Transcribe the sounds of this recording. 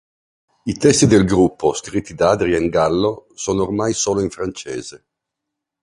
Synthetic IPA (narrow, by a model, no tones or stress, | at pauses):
it̪ɛst̪id̪elɡɾupːoskɾit̪ʰːid̪aaːd̪ɾiaiŋɡalːosoːnoːrmajsoːloiɱfɾant͡ʃeːz̥e